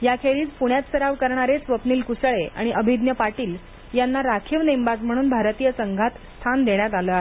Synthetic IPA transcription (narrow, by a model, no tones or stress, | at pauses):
jakʰeɾiːt͡spuɽ̃jat̪səɾaʋkəɾɳaɾet͡sʋəpniːlkusəɭea̰ɽ̃iʔəbʱid̪njəpaʈiːl | janːaɾakʰiʋnembad͡zm̤əɽ̃uːnbʱaɾt̪ijəsəŋɡʱat̪st̪ʰand̪eɳjat̪aləːaɦe